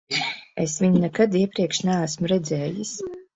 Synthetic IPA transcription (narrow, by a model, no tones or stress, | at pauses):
esvʲiɲinɛkad̪iɛpɾiɛkʃnaːæsmuɾɛd̪zɛːjis